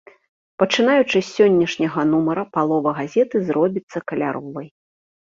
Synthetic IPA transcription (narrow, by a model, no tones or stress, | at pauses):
pɐt͡ʂɨnajut͡ʂɨsʲːɔnʲːɐʂnʲɐɣɐnumɐɾɐpalˠɔvɐɣazʲɛt̪ɨzrɔbʲit̪sːɐkɐlʲa̰ɾɔvɐj